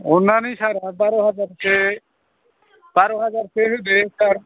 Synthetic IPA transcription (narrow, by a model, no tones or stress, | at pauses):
ɔnːanisaɾabaɾɔɦad͡ʒaɾse | b̥aɾɔɦad͡ʒaɾseɦud̪esaɾ